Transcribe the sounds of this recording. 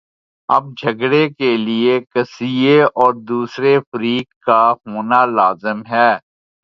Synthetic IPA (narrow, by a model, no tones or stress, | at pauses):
ɐ̰b̚d͡ʒʱɐɡɽekeliekɐsijeɔːɾd̪uːsɾefəɾiːkkːaɦoːnalaːzɪmɦɛː